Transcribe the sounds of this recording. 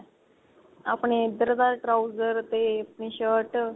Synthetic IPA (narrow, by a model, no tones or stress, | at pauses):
a̰pɳed̪əɾd̪aɾʈɾawd͡zəɾt̪epɳiɕəʈ